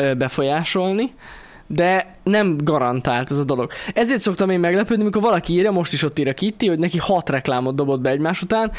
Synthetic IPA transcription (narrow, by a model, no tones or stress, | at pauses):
bɛfo̞jaːʃo̞lni | d̪ɛ | nɛmɡɒɾɒnt̪aːlt̪ɛzɒd̪o̞lo̞ɡ̥ɛzeːrt̪so̞kt̪ɒmeːmːɛɡlɛpøːd̪imiko̞rvɒlɒkiiːrjɒmo̞ʃt̪iʃo̞t̪ːiːɾjɒkit̪ːiho̞ɟnɛkihɒt̪rɛklaːmo̞d̪d̪o̞bo̞d̪̚bɛɛɟmaːʃut̪aːn